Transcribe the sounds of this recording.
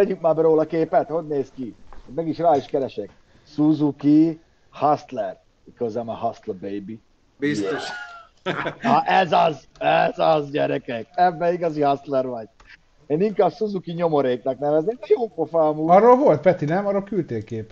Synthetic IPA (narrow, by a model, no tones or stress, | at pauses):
ɛɟykmaːbɛɾoːlɒkeːpɛt̪ho̞ɟneːskiat̪mɛɡiʃraːiʃkɛɾɛʃɛk | suzuki | hɑst̪lɛr | ikøzɛmɛhɑst̪lbejbi | bisoʃ | ʔɛzɒz | ɛzɒzɟɛɾɛkɛkɛbːɛiɡɒzihɑst̪lɛɾʋɒɟ | eːniŋkaːbsuzukiɲo̞mo̞ɾeːt̪lɛknɛvɛzneːd̪ɛjoːlpofaːmuɾːolvo̞lt̪̚pɛt̪inɛmɒɾolkylt̪eːkeːpɛ